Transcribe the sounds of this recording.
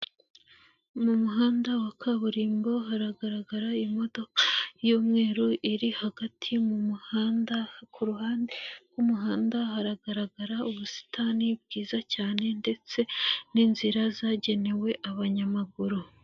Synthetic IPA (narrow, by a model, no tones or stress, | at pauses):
mumuɦaːndawakʰaβuɾiːmbo̞ɦaɾaɡaɾaɡaɾaimo̞do̞kḁjoːmŋe̞ːɾoʔiɾihaɡatʰimumuhaːndakʰuɾuɦaːnde̞ɡwumuɦaːndahaɾaɡaɾaɡaɾauβusi̥tanib̚ɡiːzacaːne̞nde̞t͡se̞ninziɾazaɟe̞ne̞we̞ʔaβaɲamaɡuɾu